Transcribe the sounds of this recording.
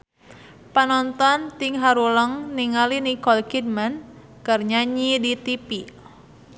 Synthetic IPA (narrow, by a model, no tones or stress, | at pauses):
panɔnt̪ɔnt̪iŋɦaɾuləŋniŋalinikɔlkid̚man | kərɲaɲidit̪ipi